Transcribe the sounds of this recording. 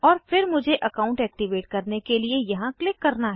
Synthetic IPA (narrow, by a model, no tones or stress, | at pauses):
ɔːɾfɪɾmʊd͡ʒʱeʔɐkaːʊ̃ɳʈɛːk̚ʈiʋeːʈ̚kɐɾnekeliejɐɦãklɪkːɐɾnaɦ